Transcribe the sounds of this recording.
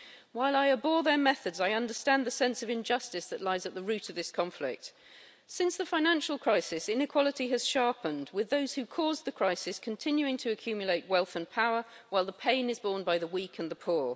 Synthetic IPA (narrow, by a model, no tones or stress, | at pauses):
waɪlˠaɪəbɔɹðə˞mɛθɨdzaɪʌ̃ndə˞stæ̃nðɨsɛ̃nsʌvɨ̃nd͡ʒʌstɨsðɨʔˡlaɪzət̪̚ðəɹʉɾʌvðɪskʰɑ̃ɱflɪ̰k̚t | sɪ̃nsðəfãɪ̃næ̃nʃl̩ˠkʰɹ̥aɪsɪsɪ̃nɨkʰw̥ɑlˠəɾiɨz̥ʃɑɹpə̃nd̚wɨðoʊz̥hʉkʰɔzðɨkʰɹ̥aɪsɨskʰntʰɪ̃njʉɪ̃ŋtʰɨːkʰj̥ʉmjəleɪʔ̚wɛlˠθə̃npʰaʊə˞waɪlˠðəpʰẽɪ̃nɨzbɔɹnbaɪðəwikʰɨ̃nðəpʰʊɹ